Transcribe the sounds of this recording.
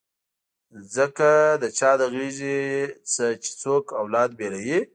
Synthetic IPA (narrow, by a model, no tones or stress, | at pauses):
zəkad̪ət͡ʃɑd̪əɣiʒit͡sət͡ʃe̥t͡sokawlɑːd̪̚belaji